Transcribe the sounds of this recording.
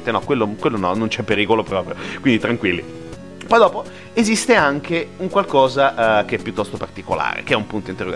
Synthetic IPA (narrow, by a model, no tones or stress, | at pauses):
t̪enɔkwelːokwelːonɔnːont͡ʃɛpːeɾiːkolopɾɔːpɾjokwind̪it̪ɾaŋkwilːḭ | pɔjd̪ɔːpo | ezist̪eaŋkʰeuŋkwalkɔːzaʔk̟eɛpjut̪ːɔst̪opart̪ikola̰ːɾḛkeɛumpunt̪oint̪erːoɡ